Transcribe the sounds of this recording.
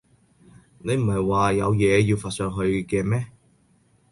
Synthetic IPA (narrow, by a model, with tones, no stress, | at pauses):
ne˨˧jm̩˨˩hɐ˨jwaː˨jɐ˨˧wjɛː˨˧jiː˧wfaː˨t̚sœː˧ŋɦɵ˧ɥkɛː˧mɛː˥